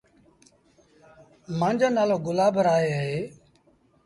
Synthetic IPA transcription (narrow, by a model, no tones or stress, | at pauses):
mãːnd͡ʒoːnaːloːɡʊlaːbʱəɾaːɦeːaɦeː